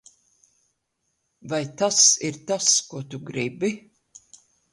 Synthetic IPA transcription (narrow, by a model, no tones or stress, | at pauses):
vajt̪asiɾt̪askuɔt̪uɡɾibi